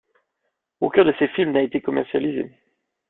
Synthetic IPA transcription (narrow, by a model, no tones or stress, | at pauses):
okʲœ̃d̪əsefilmnaet̪ekɔmɛʁsjalizḛ